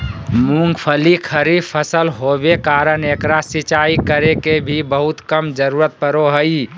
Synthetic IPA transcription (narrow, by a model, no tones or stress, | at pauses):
mũŋɡpʰəlikʰəɾipʰəsəlɦobekaːɾənekɾasit͡ʃaikəɾekebʱibəɦʊt̪kəmd͡ʒəɾuːɾət̪̚pəɾoɦəi